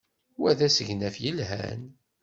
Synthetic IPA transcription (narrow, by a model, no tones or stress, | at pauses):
wæðæsəʝnæfjəlɦæ̰n